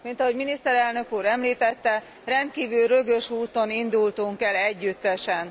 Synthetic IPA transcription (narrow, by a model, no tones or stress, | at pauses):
mint̪ɒɦo̞ɟminist̪ɛɾɛlnø̞kuːɾɛmliːt̪ɛt̪ːɛ | rɛnt̪̚kiːvylrø̞ɡø̞ʃuːt̪o̞nind̪ult̪uŋkɛlɛɟːyt̪ːɛʃɛn